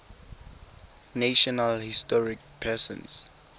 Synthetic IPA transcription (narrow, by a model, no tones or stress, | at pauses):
naʃɔnalhistɔɹik̚pʰɛsɔ̰̃ns